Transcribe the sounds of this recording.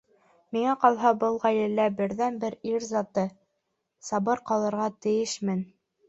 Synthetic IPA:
miŋæqɑlˠɦɑbɤlˠʁæjlɘ̆lːæbɘ̆ɾðænbɘɾiɾzɑt̪ɤ | sɑbɤɾqɑlˠɤ̆ɾʁɑt̪ɘ̆jɘʃmɘn

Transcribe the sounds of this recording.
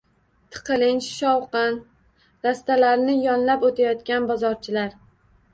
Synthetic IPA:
t̪ʰɨ̥qʰɨlɪnt͡ʃʃɒwqɨn | ɾast̪alaɾnɪjɒnlapot̪ʰajɒt̪kʲanbɒzɒɾt͡ʃʰɪlaɾ

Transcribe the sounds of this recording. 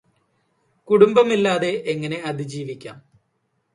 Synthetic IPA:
kuɽumbɐmilːaːðe̞ʔeŋːɐne̞ɐd̪id͡ʑiːʋikʲːa̰ːm

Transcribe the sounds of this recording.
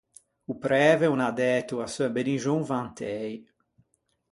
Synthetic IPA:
upɾɛːvɛunad̪ɛt̪uasøbeniʒõŋvãnt̪ʰɛj

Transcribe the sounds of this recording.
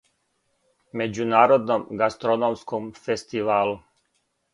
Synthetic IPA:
me̞d͡ʑunaːɾod̪nomɡast̪ɾonomskomfest̪iʋaːlu

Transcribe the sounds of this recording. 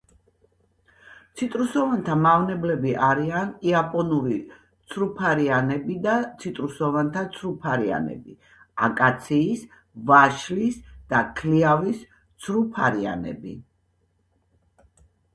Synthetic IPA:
t̪sʰit̪ʼɾusɔvant̪ʰamavnɛblɛbiʔaɾianiapʼɔnuɾi | t̪sʰɾupʰaɾianɛbid̪at̪sʰit̪ʼɾusɔvant̪ʰat̪sʰɾupʰaɾia̰nɛ̰bi | a̰kʼat̪sʰiːs | vaʃlisd̪̥akʰliavis | t̪sʰɾupʰaɾia̰nɛ̰bḭ

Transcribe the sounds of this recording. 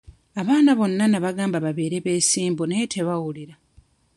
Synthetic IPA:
aβaːnaβo̞nːanaβaɡaːmbaβaβe̞ːɾe̞βe̞ːsiːmbonetʰeβawuliɾa

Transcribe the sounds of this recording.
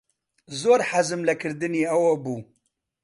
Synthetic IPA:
zoːɾħazɨmlɐkʰɨɾd̪ɨniːɐwɐbuː

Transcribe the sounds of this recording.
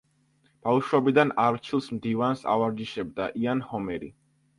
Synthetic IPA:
b̥afʃwɔbid̪anaɾt͡ʃʰilˠsmd̪ivansa̰vaɾd͡ʒiʃɛbd̪a̰ʔianhɔmɛɾḭ

